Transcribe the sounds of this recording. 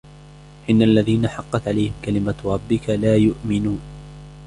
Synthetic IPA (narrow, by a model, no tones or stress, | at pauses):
ʔɪnːaʔalːaðiːnaħɑqːɑt̪ʕalajhɪmkalɪmaɾˤɑbːɪkalaːjʊʔmɪnuːn